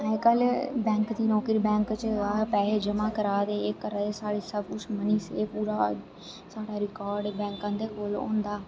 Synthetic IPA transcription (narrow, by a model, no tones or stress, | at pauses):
ekəlbɛ̃ːŋkd̪iːnɔːkɾiːbɛ̃ːŋkt͡ʃːpɛːleːd͡ʒəmãːkəɾaːd̪eːekːəɾad̪eːsaːɽeːsəbkʊt͡ʃʰməniːseːpuːɾaː | saːɽaːɾɪkaːɾɖbɛ̃ːŋkãːnd̪eːkoːlõ̰ːnd̪aː